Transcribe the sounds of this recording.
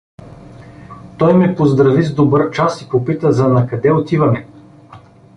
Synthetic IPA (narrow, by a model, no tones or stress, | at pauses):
t̪ɔjmɛpozd̪ɾɐvizd̪obəɾt͡ʃasipopit̪əzɐnɐkɐd̪ɛot̪ivɐnɛ